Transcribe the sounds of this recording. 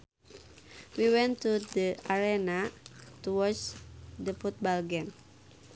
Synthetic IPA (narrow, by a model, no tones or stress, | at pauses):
wiwɛ̃nt̪udəaɾɛnat̪uwɔdsdəfut̪̚bɔlɡɛn